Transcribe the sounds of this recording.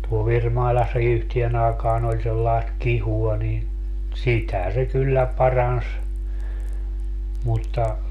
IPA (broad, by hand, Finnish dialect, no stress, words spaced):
tuo ʋirmɑilɑsːɑ yhtien ɑːkɑːn olʲ selːɑest kihuɑ niːn sitæ se kylːæ pɑrɑns mutːɑ